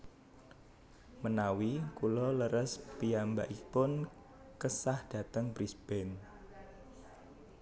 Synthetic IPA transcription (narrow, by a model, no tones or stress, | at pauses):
mənawikulɔləɾəspiamba̰ʔipʊn | kəsahd̥ä̤t̪əŋbɾisb̥ɛn